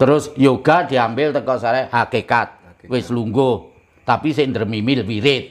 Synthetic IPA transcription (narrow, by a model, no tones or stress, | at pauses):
t̪əɾʊsjoɡ̥ad̪̥i̤ambɪlt̪əkɔsaɾɛhakekat̪̚ | wɪsluŋɡo | t̪apisɪʔnd̪ərmimɪlwiɾɪt̪̚